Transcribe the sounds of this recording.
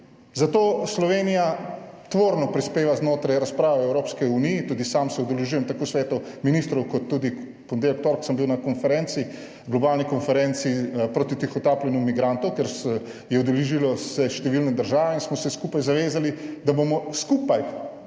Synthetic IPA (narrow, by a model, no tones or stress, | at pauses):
zat̪oːslɔʋeːnijat̪ʋoːɾnɔpɾispeːʋaznoːt̪ɾajɾaspɾaːʋɛɛwɾoːpskiunijːt̪uːd̪isamsɛɔd̪ɛlɛʒuːjɛmt̪akosʋɛːt̪ɔminist̪ɾɔwkɔt̪ːuːd̪i | pɔnd̪elkt̪oɾksəmbiwnakɔnfɛɾɛ̃nt̪si | ɡlɔbaːlnikɔnfɛɾɛnt̪sipɾot̪it̪ixɔt̪aːplɛnjumiɡɾant̪ɔwkeɾs | jɛɔd̪ɛlɛʒilɔsɛʃt̪ɛʋilnɛd̪əɾʒaːʋɛinsmɔsɛskupajzaʋeːzalid̪abomɔskupaj